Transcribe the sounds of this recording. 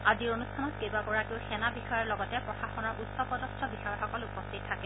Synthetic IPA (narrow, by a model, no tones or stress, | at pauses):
aziɹonustʰanɔtkebaɡɔɹakeʊxɛnabixɔjɔɹlɔɡɔtɛpɹɔxaxɔnɔɹʔutsɔpɔdɔstʰɔbixɔjɔɹxɔkɔlupɔstʰittʰːakɛ